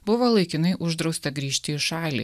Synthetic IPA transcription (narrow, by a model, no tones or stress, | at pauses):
bʊʋoːlˠɐɪkʲɪnɐɪʔʊʒd̪ɾɒʊsʲt̪ɐɡɾʲiːʃʲt̪ʲɪɪʃɑːlʲḭː